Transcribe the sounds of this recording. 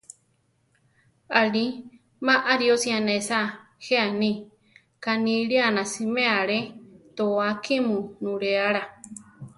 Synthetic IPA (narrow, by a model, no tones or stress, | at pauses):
ali | mãʔaɾiosĩãnẽsa | heanĩ | kanĩɺianãsimẽaɺet̪oakimũnũɾeaɾa